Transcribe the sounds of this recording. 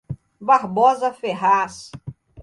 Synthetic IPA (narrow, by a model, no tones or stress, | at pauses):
baɾbɔzɐfeɦas